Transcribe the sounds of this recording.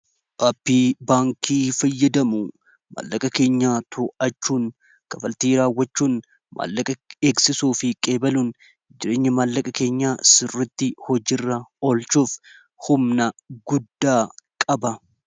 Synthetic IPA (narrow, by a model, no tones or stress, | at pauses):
ʔɐpːiːbaːŋkʰiːfɐjːɐd̪ɐmʊ | ma̰ːlːɐkʼɐke̞ːɲːaːt̪ʰʊʔɐt͡ʃːuːn | kɐfɐlt̪iːɾaːwːɐt͡ʃːuːn | mʔa̰ːlːɐkʼɐeːksɪsuːfɪkʼe̞ːbɐluːn | d͡ʒɪɾe̞ːɲːɐmaːlːɐkʼɐke̞ːɲːaːsɪrːɪt̪ːɪhɔd͡ʒɪrːɐolt͡ʃuːf | hʊmnɐɡʊd̪ːaːkʼɐbɐ